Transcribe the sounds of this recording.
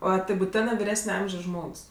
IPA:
ˈoː ˈtɐɪ bʊˈtʲæːnɜ ʋʲɪˈrʲæːsʲnʲɛ ˈɐmʲʒʲoːs ˈʒmoːks

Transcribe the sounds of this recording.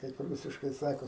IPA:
kɐɪp ˈruːsʲɪʃkɐɪ ˈsɑːkoː

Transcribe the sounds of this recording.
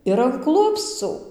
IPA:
ɪr ɐn ˈklˠʊpst͡suː

